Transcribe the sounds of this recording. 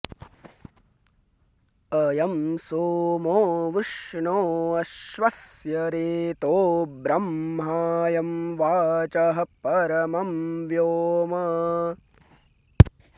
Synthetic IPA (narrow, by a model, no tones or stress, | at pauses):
ɐjɐmsoːmoːʋɪʂɳoːɐʃʋɐsjɐɾeːt̪oːbɾɐmɦaːjɐmʋaːt͡ʃɐɦɐpɐɾɐmɐmʋjoːmɐ